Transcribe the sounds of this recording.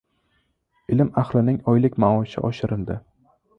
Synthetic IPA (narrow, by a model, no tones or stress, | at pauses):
ɪlɪmaχlɪnɪŋɒjlɪkʲmaɒʃɪ̰ʔɒʃɪɾɪld̪ɪ